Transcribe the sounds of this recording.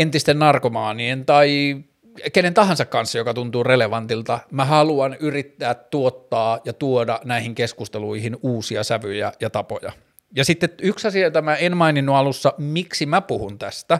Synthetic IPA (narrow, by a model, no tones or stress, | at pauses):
ent̪ist̪ennɑrkomɑːnient̪ɑi | kenent̪ɑɦɑnsɑkkːɑnsːɑjokɑt̪unt̪uːreleʋɑnt̪ilt̪ɑmæɦɑluɑnyrit̪ːæːt̪ːuot̪ːɑːjɑt̪uodɑnæihiŋkeskust̪eluihinuːsiɑsæʋyjæjɑt̪ɑpo̰jɑ̰ | jɑsit̪ːetyksɑsiɑjot̪ɑmæenmɑininːuɑlusːɑmiksimæpuhunt̪æst̪æ